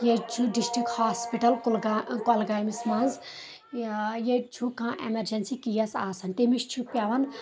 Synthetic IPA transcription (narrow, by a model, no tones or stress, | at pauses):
jet͡ʃʰuɖisʈɾikʈhaːspiʈɐlkulkolɡaːmismɐ̃nz | jet͡ʃʰukãːʔḛmeɾd͡ʒensikijɐsaːsɐnt̪emiʃt͡ʃʰupjaʋɐn